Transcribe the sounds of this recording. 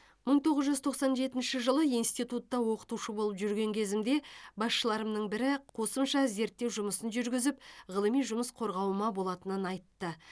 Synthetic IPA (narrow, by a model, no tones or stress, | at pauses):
məɴt̪ʰo̞ʁəzʒʏzt̪ʰo̞qsɑnʒe̞t̪ɪnʃɪʒəlˠəijnst̪ijt̪ut̪ːɑwo̞qə̥t̪uʃəbo̞lˠəpʒʏɾɡʲe̞ŋkʲʰe̞zɪmd̪e̞bɑsʃəlˠɑɾəmnəɴbɪɾɪqʰo̞səmʃɑze̞ɾt̪ːe̞wʒʊməsənʒʏɾɡʲɪzɪpʁəlˠəmijʒʊməsqʰo̞ɾʁɑwəmɑbo̞lˠɑt̪ənənɑjt̪ːə